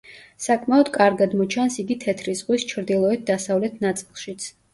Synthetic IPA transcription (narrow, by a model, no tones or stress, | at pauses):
sakʼmaɔd̪̥kʼaɾɡad̪mɔt͡ʃʰansiɡit̪ʰɛt̪ʰɾizʁwist͡ʃʰɾd̪ilˠɔɛt̪̚ʰd̪asavlɛt̪ʰnat̪sʼilˠʃit̪sʰ